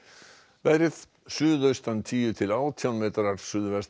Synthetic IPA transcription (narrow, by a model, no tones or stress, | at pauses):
vɛɾɪð | sʏːðœɥst̪ant̪ʰiːjʏt̪ʰɪlaːwt̪ʰjawnmɛːt̪aɾaɾ̥sʏðvɛst̪